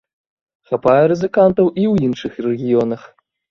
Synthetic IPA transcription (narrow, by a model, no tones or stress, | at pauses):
xapajɛɾɨzɨkant̪ɐwʔiwinʂɨxrɛɣʲijɔnɐx